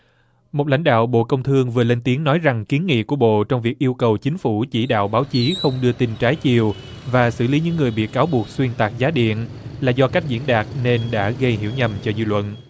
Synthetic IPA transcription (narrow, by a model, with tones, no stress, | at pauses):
mo˨˩t̚la̰˧˥jŋ̟ɗa̰ː˧˨wɓo̰˧˨kə˧wŋ͡mt̪ʰɨ˧əŋvɨ˨˩əle˧nt̪i˨˦əŋnɔ˨˦jza˨˩ŋki˨˦ənŋḭ˧˨ku˧˩əɓo̰˧˨t͡ɕɔ˧wŋ͡mvi˨˩k̚ʔi˧əwkə˨˩wt͡ɕï˨˦ŋ̟fu˧˩t͡ɕi˧˩ɗa̰ː˧˨wɓaː˨˦wt͡ɕi˨˦xə˧wŋ͡mɗɨ˧ət̪i˧nt͡ɕaː˨˦jt͡ɕi˨˩əw | vaː˨˩sɨ̰˧˩li˨˦ɲɨ̰˧˥ŋːɨ˨˩əjɓḭ˨˩əkːaː˨˦wɓu˨˩ək̚swi˧ənt̪aː˨˩k̚zaː˨˦ɗḭ˧˨ən | laː˨˩zɔ˧ka˦˥jk̟̚zḭ˧˥ənɗaː˨˩k̚ne˧nɗa̰ː˧˥ɣə˧jɦḭ˧˩əwɲə˨˩mt͡ɕɔ˧zɨ˧lwə̰˧˨n